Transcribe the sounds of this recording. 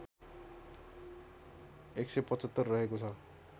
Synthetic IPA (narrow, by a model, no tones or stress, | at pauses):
eksʌpʌt͡sʌt̪ːʌrːʌɦekot͡sʰʌ